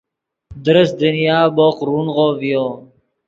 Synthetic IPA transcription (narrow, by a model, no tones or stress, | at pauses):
d̪ɾəsd̪ənijaːboqɾuːnʁovijoː